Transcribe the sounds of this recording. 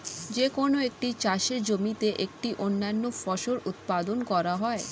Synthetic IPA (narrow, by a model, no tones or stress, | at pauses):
d͡ʑekonoek̚ʈit͡ɕaʃeɾd͡ʑomit̪eʔek̚ʈiʔonːanːofɔʃoɾut̪pad̪onkɔɾaɦɔe